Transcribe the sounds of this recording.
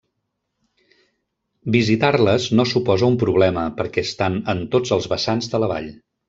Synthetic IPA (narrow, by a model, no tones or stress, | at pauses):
bizit̪arləznosupɔzəumpɾuβlɛməpəɾkɛəst̪anənt̪od͡zəlˠzβəsanzðələβa̰ʎ